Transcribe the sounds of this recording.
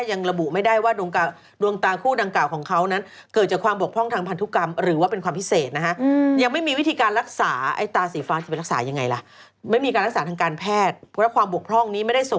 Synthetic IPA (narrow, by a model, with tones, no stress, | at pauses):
ja˧ŋɾa˧bu˨˩ʔma˥˩jda˥˩jwaː˥˩du˧əŋka˧ | du˧əŋt̪aː˧kʰuː˥˩da˧ŋklaː˨˩wkʰɔː˩˦ŋkʰa˦˥wna˦˥n | kɤː˨˩t̪̚t͡ɕaː˨˩kʰwaː˧mbu˨˩əkpʰɔ˥˩ŋt̪ʰaː˧ŋpʰa˧nt̪u˦˥ka˧mɾɯː˩˦waː˥˩pe˧nkʰwaː˧mpʰi˦˥seː˨˩t̪̚na˦˥kʰa˦˥ja˧ŋma˥˩jmiː˧wi˦˥t̪ʰiː˧kaː˧nɾa˦˥k̚saː˩˦ʔa̰˧˩jt̪aː˧siː˩˦faː˧˥ŋt͡ɕa˨˩pɾk̚saː˩˦ja˧ŋːa˧jla˨˩ | ma˥˩jmiː˧kaː˧ɾa˥k̚saː˩˦t̪ʰaː˧kaː˧npʰɛː˥˩t̪̚ɾɛ˦˥kʰwaː˧mbu˨˩ək̚pʰɔ˥˩ŋniː˦˥ma˥˩jda˥˩jso˨˩